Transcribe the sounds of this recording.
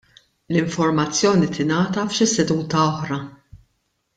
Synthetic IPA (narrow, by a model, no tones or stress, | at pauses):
lɪɱfɔɾmɐt͡sːjɔːnit̪ɪnɐːt̪ɐfʃɪsɛd̪uːt̪ɐɔħɾɐ